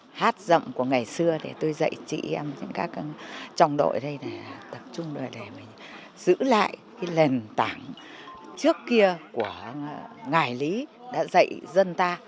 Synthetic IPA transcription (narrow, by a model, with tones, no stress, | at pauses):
haː˦˥t̚zə̰˧˨wŋ͡mku˧˩əŋa˨˩jsɨ˧əɗe˧˩t̪o˧jzə̰˧˨jt͡ɕḭ˧˨ʔɛ˧mɲɨ̰˧˥ŋkaː˦˥k̚t͡ɕɔ˧wŋ͡mɗo̰˧˨jɗə˧jle˨˩˨t̪ə˨˩p̚t͡ɕʊ˧ŋ͡mɗə˨˩ɗe˨˩mï˨˩ŋ̟ | z̥ɨ̰˧˥la̰ː˧˨jki˨˦le˨˩nt̪aː˧˩ŋ | t͡ɕɨ˦˥əkːi˧əku˧˩əŋaː˨˩jli˨˦ɗa̰ː˧˥zə̰˧˨jzə˧nt̪aː˧